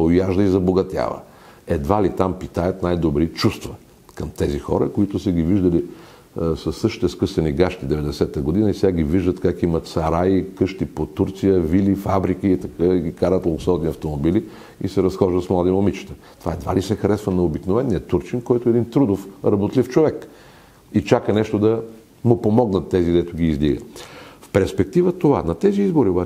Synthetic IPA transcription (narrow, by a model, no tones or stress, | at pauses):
ojaʒd̪əizɐboɡɐt̪ʲja̰və̰ | ɛd̪valit̪ampit̪ajɐt̪najd̪obɾit͡ʃust̪və | kɐmt̪ɛzixɔ̰ɾəkoit̪ʊsəɡʲiviʒd̪əli | sɐsːɤʃt̪i̥t̪ɛskɤsɛniɡaʃt̪id̪ɛvɛd̪ɛsɛt̪əɡod̪inəisʲaɡʲiviʒd̪ət̪kakimɐt̪sɐɾaikɤʃt̪ipot̪uɾt̪sijəvilifabɾikiːt̪ɐkəɡʲikaɾət̪lˠsɔd̪niɐft̪omobili | isɛɾɐsxɔʒd̪əsmlˠad̪imomit͡ʃi̥t̪ə̥ | t̪ovaɛd̪va̰lisɛxɐɾɛsvənɐobiknovɛnːiət̪uɾt͡ʃinkɔjt̪ʊɛd̪int̪ɾud̪ofɾɐbot̪lift͡ʃovɛk | it͡ʃakənɛʃt̪od̪ɐ | mʊpomɔɡnət̪ːɛziɡd̪ɛt̪ʊɡʲiːzliɡə̰fpɛɾspɛk̚t̪ivət̪ova̰nɐt̪ɛziizboɾioba